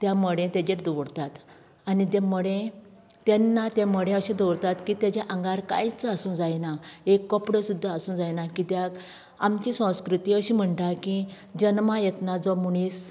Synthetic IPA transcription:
t̪jaməɽẽt̪ad͡ʑeʈd̪ɔʋɽt̪at̪ | anit̪̬jɛ̃məɽẽ | t̪ɛnːat̪aməɽẽəɕĩd̪ɔʋɽt̪at̪kit̪jad͡ʑaʔəŋɡaɾka̰jt͡sasũd͡zajnaekːəpɽəsud̪ʱːaəsũd͡zajnakit̪jak | a̰mt͡ɕisə̃w̃skɾut̪iəɕĩm̤əɳʈ̪aki | d͡ʑənmajɛt̪nad͡zɔmuɽ̃iːs

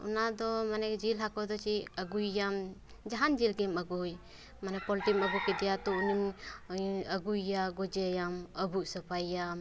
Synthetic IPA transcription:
ṵnad̪ɔmanɛkd͡ʒilɦakɔd̪ɔt͡ʃiəɡujːam | d͡ʒaɦand͡ʒilɡɛməɡuj | manɛpɔlʈiməbukɛd̪ɛjat̪ɔunim | əɡujːaɡɔd͡ʒɛjaməbuʔsəpʰajːam

